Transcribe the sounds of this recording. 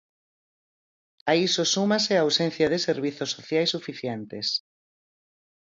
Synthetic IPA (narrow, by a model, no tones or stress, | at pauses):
aisosumaseaːwsẽn̟θjaðeseɾβ̞iθosːoθjajsːufiθjent̪es